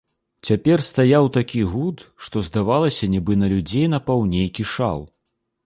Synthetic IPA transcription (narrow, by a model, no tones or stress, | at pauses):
t͡sʲapʲɛrst̪ajawt̪akʲiɣut̪ʂt̪ɔzd̪avalˠɐsʲɐnʲibɨnɐlʲud͡zʲejnɐpawnʲejkʲiʂa̰lˠ